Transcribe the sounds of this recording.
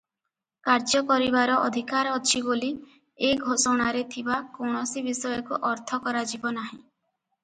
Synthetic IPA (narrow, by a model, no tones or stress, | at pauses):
kaɾd͡ʒɔkɔɾibaɾɔʔɔ̰d̪ʱikaɾɔt͡ʃʰiboli | eɡʱosɔɽ̃aɾet̪ʰibakowɽ̃ɔsibisɔjɔkuʔɔɾt̪ʰɔkɔɾad͡ʒibɔnaɦĩ